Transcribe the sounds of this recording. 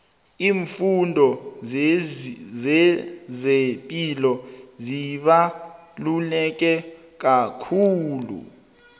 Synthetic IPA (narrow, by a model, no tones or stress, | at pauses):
iːɱfundʱɔ | zɛzepʼilɔziɓalulɛk̬ʼɛ | k̬akʰuːlṵ